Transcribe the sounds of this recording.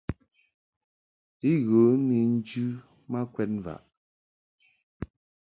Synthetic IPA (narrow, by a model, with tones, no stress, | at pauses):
i˦ɣo˨˦ni˨n̩˦d͡ʒʉ˦ | ma˦kwɛ˦t̚nva̰˨ʔ